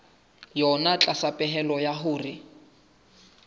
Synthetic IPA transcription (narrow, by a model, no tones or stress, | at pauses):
jɔnat͡ɬʼasapʼɛɦɛlɔjaɦʊːrɪ